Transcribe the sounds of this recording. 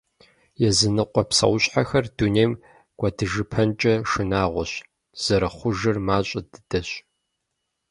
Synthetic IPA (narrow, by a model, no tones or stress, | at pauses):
jɛzɨnɨqʷʼɔpsɐ̰wɕʼħaxɐrduneːjm | ɡ̥ʷɐdɨʒɨpʰɐnt͡ʃʼɐʂɨnaːʁʷɔɕ | z̥ɐɾɐχʷʊʒɨrmaːɕʼɐdɨd̥ɐɕʼ